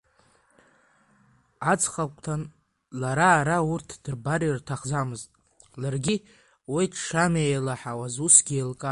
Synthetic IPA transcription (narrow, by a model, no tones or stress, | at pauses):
at͡sʰχakʷʼtʰan | laɾaːɾaurtʰd̥ɨrbarirtʰaχd͡zamɨztʼ | larɡʲi | witʰʂamejlaħawazusɡʲielkʼa